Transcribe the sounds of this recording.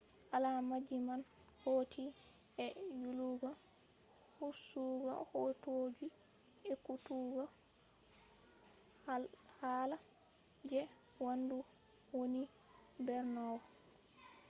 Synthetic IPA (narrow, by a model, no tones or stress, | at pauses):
ʔalamad͡ʒiman | hoːtʰi | ʔɛjuluɡɔ | husuɡɔ̰hoːtoːd͡ʒi | ɛkutuɡɔ | haːlad͡ʒɛwandu | woni | bɛɾnɔwɔ